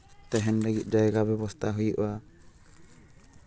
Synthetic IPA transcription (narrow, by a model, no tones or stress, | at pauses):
t̪ɛɦɛnlaɡit̪̚ˀd͡ʒajɛɡabɛbɔst̪ʰaɦujuʔa